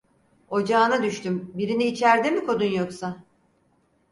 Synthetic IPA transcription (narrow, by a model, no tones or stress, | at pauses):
o̞d͡ʒaːnad̪yʃt̪ʰymbiɾiniːt͡ʃʰæɾd̪emikʰo̞d̪unjo̞ksa